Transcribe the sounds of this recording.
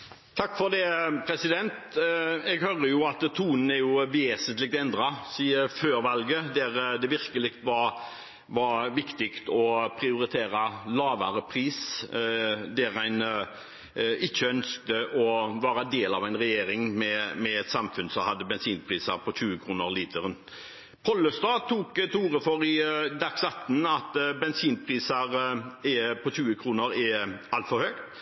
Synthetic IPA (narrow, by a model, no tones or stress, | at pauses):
t̪ʰɑkːfɔʁd̪ɛpʰɾɛsɪd̪ɛnt̪ɛɡhœɾəjʊɑt̪t̪ʰuːnən̩ɛɾjʊʋɛːsənt̪lɪɡ̚t̪ɛnd̪ɾɑsiːəføːɾʋɑlɡəd̪ɛɾd̪ɛʋɪɾkəlɪɡt̪ʋɑɾ | ʋɑʋɪkt̪ɪkt̪ɔpʰɾɪʊɾɪt̪ʰeːɾɑlɑːʋɑɾəpʰɾiːs | d̪ɛɾæɪn | ɪçːəœnsk̚t̪əʔɔʋɑːɾəd̪eːlɑʋæɪnʁɛjeːɾɪŋmɛmɛɛt̪sɑmfʉnsɔhɑd̪ːəbɛnsiːnpʰɾiːsəɾpʰɔɕʉːəkʰɾuːnəɾliːt̪ʰəɾən | pʰɔlːəst̪ɑːt̪ʰuːkt̪ʰuːɾəfɔɾɪd̪ɑksɑt̪ːn̩ɑt̪bɛnsiːnpʰɾiːsəɾɛpʰɔɕʉːəkʰɾuːnəɾɛɑlt̪fɔɾhøːkt̪